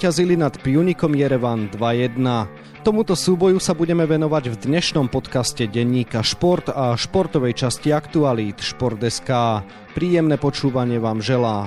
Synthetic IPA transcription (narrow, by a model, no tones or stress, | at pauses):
cazilinat̪pɪuɲikɔmjɛɾɛʋand̪ʋajɛd̪na | t̪ɔmut̪ɔsuːbɔjusabuɟɛmɛʋɛnɔʋaɟvd̪ɲɛʃnɔmpɔt̪kascɛɟɛɲːiːkaʃpɔɾt̪aʃpɔɾt̪ɔʋɛjt͡ʃasciakt̪ualiːt̪ʃpɔɾd̪ɛskaː | pɾiːjɛmnɛpɔt͡ʃuːʋaɲɪɛʋaːmʒɛlaː